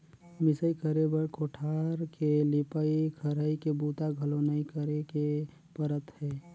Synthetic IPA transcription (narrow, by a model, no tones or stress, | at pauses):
mɪsəikəɾebəɽkoʈʰaɾkelipəikʰəɾəikebut̪aɡʱəlonəikəɾeke | pəɾət̪ɦɛ